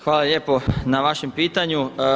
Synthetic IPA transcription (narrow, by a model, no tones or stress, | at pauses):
xʋaːlaljeːpo̞naʋaʃempiːt̪aɲu